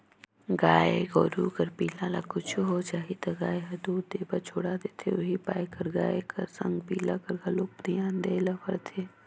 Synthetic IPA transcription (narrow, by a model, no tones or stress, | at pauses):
ɡaːeɡɔːɾukɐɾpiːlãlakʊt͡ʃʰuɦot͡ʃaːɦit̪ɐɡaːeɦɐd̪uːd̪eːbat͡ʃʰoːɽad̪et̪ʰeʊɦipaːjkɐɾɡaːekɐɾsɐ̃ŋɡpiːlakɐɾɡaloːɡ̚pɾijãːnd̪eːlɐfə̰ɾt̪ʰeː